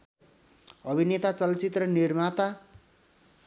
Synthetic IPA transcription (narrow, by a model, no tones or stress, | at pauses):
ʌbʱinet̪at͡sʌlt͡sit̪rʌnirmat̪a